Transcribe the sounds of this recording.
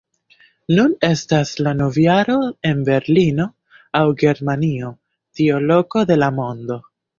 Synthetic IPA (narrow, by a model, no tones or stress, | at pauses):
nune̞staslano̞vjaɾo̞e̞nbe̞ɾlino̞ | awɡe̞ɾmanio̞ | tiolo̞ko̞de̞lamo̞ndo̞